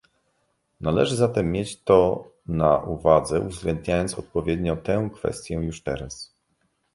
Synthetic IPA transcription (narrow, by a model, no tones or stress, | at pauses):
nalɛ̰ʐɘzat̪ɛmːjet͡ɕt̪ɔ | naʔuvad̪zɛuvzɡlɛnd̪̚ɲajɔnt̪sɔt̪̚pɔvʲjed̪ɲɔt̪ɛw̃kfɛ̰st̪ʲjɛjuʂt̪ɛɾas